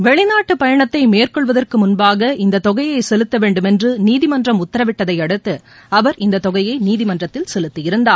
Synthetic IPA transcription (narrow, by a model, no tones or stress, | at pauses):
ʋɛɭɪnaːʈːɯpɐjɐɳɐt̪ːɐɪmeːrkɔɭʋɐðɐrkɯmʊnbaːɣɐʔɪnd̪ɐt̪ɔɣɐjɐɪsɛlɯt̪ːɐʋeːɳɖɯmɛndrɯniːðɪmɐndrɐmʊt̪ːɐɾɐʋɪʈːɐðɐɪɐɽɯt̪ːɯ | ɐʋɐɾɪnd̪ɐt̪ɔɣɐjɐɪniːðɪmɐndrɐt̪ːɪlsɛlɯt̪ːɯjɪɾɯnd̪aːɾ